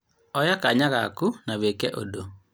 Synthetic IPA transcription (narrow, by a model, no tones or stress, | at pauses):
ɔjakaɲaɣakunaβekɛʔo̰do